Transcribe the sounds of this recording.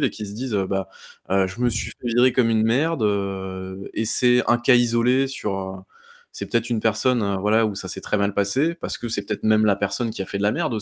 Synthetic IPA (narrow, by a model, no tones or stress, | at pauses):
vekʲis̬əd̪izøbaøʒəməsɥifɛviʁekɔmynmɛʁd̪ø | esɛɛ̃kʲaizɔlesyʁø | sɛpø̥t̪ɛt̪χynpɛʁsɔnøvwalausasɛt̪χɛmalpasepaʁsə̥kəsɛpø̥t̪ɛt̪̚χmɛmlapɛʁsɔnkʲiafɛd̪əlamɛʁd̪o